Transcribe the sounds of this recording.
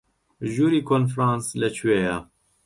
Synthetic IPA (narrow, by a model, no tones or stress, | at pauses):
ʒuːɾikʰɔnfɾɑnslɛt͡ʃweːja